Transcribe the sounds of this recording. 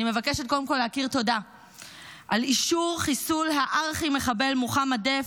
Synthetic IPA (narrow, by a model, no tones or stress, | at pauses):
ime̞vakeʃet̪̚ko̞demko̞leakiʁt̪o̞da | ʔaliʃuʁχisulɦaʔaʁχime̞χabe̞lmuχamade